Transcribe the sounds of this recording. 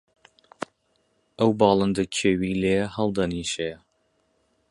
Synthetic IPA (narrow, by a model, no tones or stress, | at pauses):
ʔəwbɑːlˠɨnd̪əcʰeːwileːhɐlˠd̪ɐniːʃejɐ